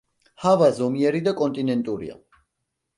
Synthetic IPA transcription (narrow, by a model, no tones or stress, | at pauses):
havazɔmiɛɾid̪akʼɔnt̪ʼinɛnt̪ʼuɾḭa̰